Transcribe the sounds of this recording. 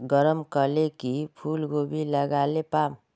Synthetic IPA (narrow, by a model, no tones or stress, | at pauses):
ɡəɾəmkəlekipʰuːlɡobiləɡalepaːm